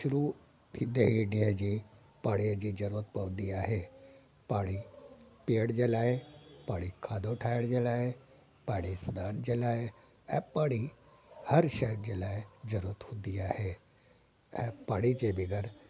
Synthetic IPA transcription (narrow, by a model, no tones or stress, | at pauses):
ʃʊɾuː | t̪ʰid̪eɦiɖiəd͡ʒiː | paːɽiəd͡ʒid͡ʒɐɾuət̪pɐʋd̪iaːɦe | paːɽipiəɽd͡ʒelaːepaːɽikʰaːd̪oʈʰaːjəɽd͡ʒelaːe | paːɽisnaːnd͡ʒelaːe | ɛpaːɽi | hɐɾʃəɦɾd͡ʒelaːed͡ʒɐɾuət̪hʊ̃d̪iaːhe | ɛ̃paːɽid͡ʒebɪɡəɾ